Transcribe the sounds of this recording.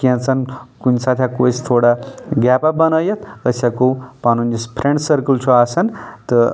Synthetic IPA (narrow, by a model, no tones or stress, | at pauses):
kiãt͡sʰɐnkunsat̪ʰjakosʰt̪ʰoɽaɡʲapabənɐjɐt̪ʰəsʲakopanunispʰɾeɳɖsəɾkult͡ʃʰuasɐnt̪ə